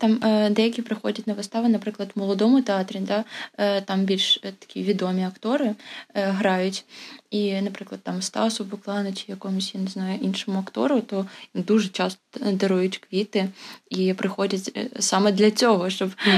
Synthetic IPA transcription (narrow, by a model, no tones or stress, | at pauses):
t̪ɑmd̪ɛjɐkʲipɾɪxɔdʲɐtʲnɐʋɪst̪ɑʋɐnɐpɾɪklˠɐd̪mɔlˠɔd̪ɔmʊt̪eɑt̪ɾʲid̪ɑt̪ɑmbʲilʲʃt̪ɐ̥kʲiʋʲid̪ɔmʲiɐkt̪ɔɾɪɦɾɑjʊtʲinɐpɾɪklˠɐd̪̚t̪ːɑmst̪ɑ̰sʊbʊklˠɑnɐt͡ʃʲɪjɐkɔmʊsʲjaneznɑjʊʔinʃɔmʊɐkt̪ɔ̰ɾʊt̪ɔd̪uʒɛt͡ʃɑst̪ɔ̥d̪ɐɾujʊtʲkʋʲit̪ɪipɾɪxɔdʲɐtʲsɑmɛd̪lʲɐt͡sʲɔɦɔʃt͡ʃɔb